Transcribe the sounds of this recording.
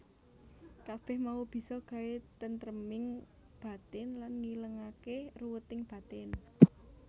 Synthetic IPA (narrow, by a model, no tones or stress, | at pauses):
kab̥ɛ̤hmaub̥i̤sɔɡ̥a̤wet̪ənt̪ɾəmɪŋ | b̥a̤t̪ɛnlanŋiləŋakeruwət̪ɪŋb̥ä̤t̪ɛn